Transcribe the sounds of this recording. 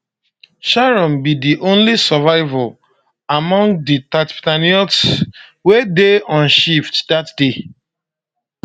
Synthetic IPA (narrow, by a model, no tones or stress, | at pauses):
ʃaɹɔ̃mbidiʔõnlisɔvaɪvɔl | amɔ̃ŋɡditatptaniɔtswedeɔ̃nʃiftdatde